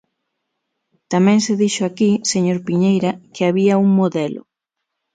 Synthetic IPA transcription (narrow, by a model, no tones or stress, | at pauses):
t̪amɛ̃ŋseðiʃʊakiseɲoɾpiɲejɾɐkeaβiɐuŋmoðɛlʊ̰